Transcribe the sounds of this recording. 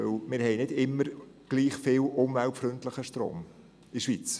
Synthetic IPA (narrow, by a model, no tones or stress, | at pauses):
øwmɪːɾhɛɪnɪdɪmːəɾ | ɡ̥liːχfɪːlʔʊmvælpfrɵntləχəʃtɾo̰ːm | iʃʋiːt͡s